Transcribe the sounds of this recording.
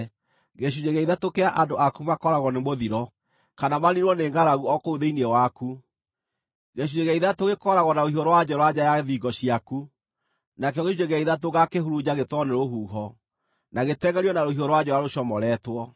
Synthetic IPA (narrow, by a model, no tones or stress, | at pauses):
ɣeɕ̬uɲeɣɛiðatokeaʔandoʔakumakɔɾaɣɔnemoðiɾɔ | kanamaniɾwɔneŋɡaɾaɣuɔkouðeiniɛwaku | ɣeɕuɲeɣɛiðatoɣekɔɾaɣɔnaohioɾwad͡ʑɔɾwad͡ʑajaðiɡɔɕiaku | nakeɔɣeʃud͡ʒeɣɛiðatoɣakeɦuɾud͡ʑaɣetɔnɛɾoɦuːɦɔ | naɣetɛɣɛɾiɔnaɾohioɾwad͡ʑɔjaɾoɕɔmɔɾɛtwɔ